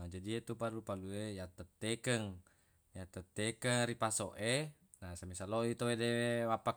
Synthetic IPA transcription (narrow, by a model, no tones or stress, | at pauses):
d͡ʒadiet̪upalupaluejat̪ət̪ːekəŋ | jat̪ət̪ːekəŋɾipasoʔe | nasamisaloit̪owedewapa